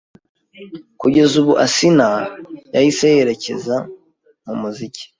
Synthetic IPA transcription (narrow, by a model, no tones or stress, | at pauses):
kuɟe̞zuβuʔasinajajisejeɾe̞ce̞̰za | mumuzici̥